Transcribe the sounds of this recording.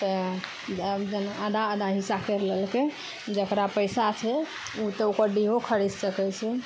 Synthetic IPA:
t̪ə | d͡ʒənad̪aəd̪aɦisakeɾlelke | d͡ʒəkɾapəjsat͡ʃʰɛ | ut̪ɔukəɾɖiɦokʰəɽɛssəkɛt͡ʃʰɛ

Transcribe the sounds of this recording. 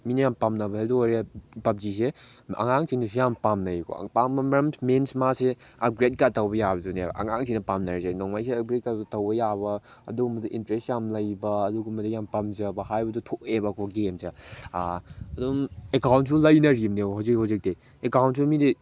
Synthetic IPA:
minɐjampamnɐbɐseduoɾbɐp̚d͡ʒis̬e | ɐ̰ŋaŋsiŋnɐs̬ujampamnɐjkʰo̰pambɐmɾɐmmensmase | ɐb̚ɡɾet̚katɐwbɐjabɐdunɐ̰ŋaŋsiŋnɐpamnɐɾisenoŋmajseɐb̚ɡɾet̚kaɡutɐwbɐjaβɐ | ɐ̰duɡumbɐdiʔintɾestjamlɐjbɐːduɡumɐdijampɐmzɐbɐhajbɐdutʰoebɐkʰɔbɐɡemsa | ɐdumekawntsulɐjnɐɾimneɦawzikhawzik̚dej | ekawntsumidi

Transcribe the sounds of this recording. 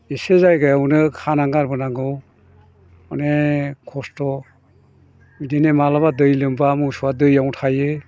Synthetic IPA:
isezajɡajawnɯkʰanaŋɡaɾbɯnaŋɡɯw | ɔnekʰɔstɔ | midinemalaβadɯjlɯmbamɯsuwadɯjawtʰajɯ

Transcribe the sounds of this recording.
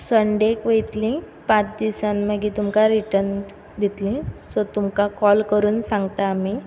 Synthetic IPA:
səɳɖekʋəjt̪lĩ | pãt͡sd̪isanməɡiːt̪umkaɾiʈən | d̪ʱit̪lĩsɔt̪umkakɔlkəɾuːnsãŋɡt̪aːmi

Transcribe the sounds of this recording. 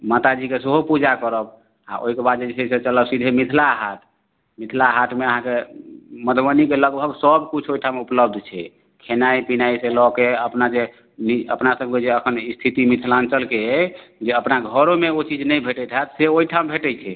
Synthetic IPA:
mat̪ad͡ʒikeseɦopud͡ʒakəɾəb | a̰ʔo̰ikebad̪d͡ʒed͡ʒesiset͡ʃələbsid̪ʱemit̪ʰlaɦat̪ʰ | mit̪ʰlaɦat̪ʰmeəɦãkeməd̪ʱwənikeləɡbʱəɡsəbkut͡ʃʰoiʈʰamupləb̚d̪ʱt͡ʃʰɛ | kʰenaipinaiselɔkeəpnad͡ʒe | niə̰pnasəb̚ʱked͡ʒeəkʰənist̪ʰit̪imit̪ʰlant͡ʃəlkeɛd͡ʒeəpnaɡʱəɾomeot͡ʃid͡ʒnəjbʱeʈɛt̪ʰɦat̪seoiʈʰambʱeʈɛt͡ʃʰɛ

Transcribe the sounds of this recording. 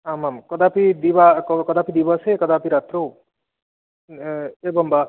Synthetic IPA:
amamkɔd̪apid̪ibakɔkɔd̪apid̪ibɔsekɔd̪apiɾat̪ɾow | ebɔŋba

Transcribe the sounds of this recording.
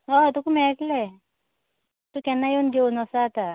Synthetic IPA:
ɔt̪ukumɛkle | t̪ukɛnːajenɡeunɔsaːt̪a

